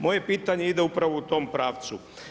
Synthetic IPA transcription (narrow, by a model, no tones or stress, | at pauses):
mo̞je̞piːt̪aɲeid̪e̞upɾaʋo̞ut̪o̞ːmpɾaːʋt̪su